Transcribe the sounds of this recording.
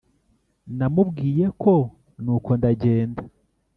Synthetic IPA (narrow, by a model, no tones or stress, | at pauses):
namubɡiːje̞kʰo̞ | nuːko̞ndaɟeːnda